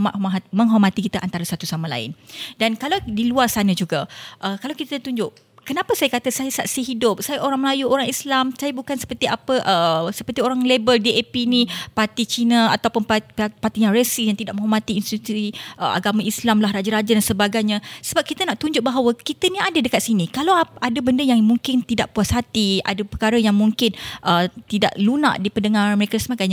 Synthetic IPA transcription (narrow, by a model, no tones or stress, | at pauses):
mat̪t̪mə̃ŋɦɔrmat̪ikit̪aʔant̪aɾasat̪usamãla̰ɪ̰ndankalawdiluarsanə̃d͡ʒuɡaʔəkalawkit̪ət̪uɲd͡ʒʊʔ | kənãpasajakat̪asajasaʔsiɦidʊp̚sajaʔoɾaŋməlajuʔoɾaŋislamsajabukansə̥pərt̪iapəʔəsəpərt̪ioɾaŋlebəldiepinĩpart̪it͡ʃinəat̪awpʊnpapat̪iɲãɾesijaŋt̪idaʔmə̃ɦomat̪iːnst̪iut̪iʔəʔa̰ɡamãʔislamlahrad͡ʒaɾad͡ʒadansəbaɡajɲãsəbap̚kit̪anaʔt̪uɲd͡ʒʊʔ̚baɦawəkit̪ənĩadədəkat̪̚sinikalawadəbəndəjaŋmuŋkɪnt̪idaʔpuasat̪ia̰dəpəkaɾəjaŋmuŋkɪnʔət̪ida̰ʔluna̰ʔdipəndəŋaɾanməɾekasəmakajɲa